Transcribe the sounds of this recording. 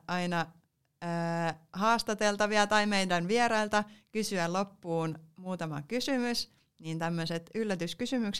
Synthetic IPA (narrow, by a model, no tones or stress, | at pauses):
ʔɑinɑ | əːhɑːst̪ɑt̪elt̪ɑʋiɑt̪ɑimeidænʋierɑilt̪ɑkysyælopːuːnmuːt̪ɑmɑ̰kysymys | niːnt̪æmːøset̪ylːæt̪yskysymyks